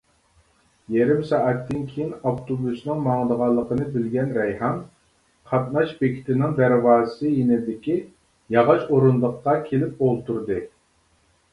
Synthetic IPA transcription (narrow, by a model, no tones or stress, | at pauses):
jeɾɪmsɑʔɛt̪ːɪnkʲʰejinɑft̪ʰobusnɨŋmɑŋd̪əʁɑlˠːəqʰənɨbɪlɡʲɛnɾɛjhɑn | qʰɑt̪̚nɑʃbekʲʰi̥t̪ʰɪnɪŋd̪æɾvɑːzɨsɨjinɪd̪ɪkʲi | jɑʁɑʃoɾunlˠəqːɑkʲʰelɪp̚olˠt̪ʰuɾd̪ɨ